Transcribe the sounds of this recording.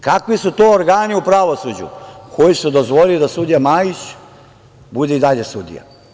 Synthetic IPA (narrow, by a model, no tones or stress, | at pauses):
kakʋisut̪oːoɾɡaːniupɾaʋo̞sud͡ʑṵkʰo̞jisud̪o̞zʋo̞lilid̪asud̪ijamaːjit͡ɕ | bud̪eid̪aʎe̞sud̪ḭja̰